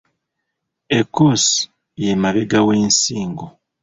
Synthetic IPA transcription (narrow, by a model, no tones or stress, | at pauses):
ekus | jemaβeɡaweːnsiːŋɡo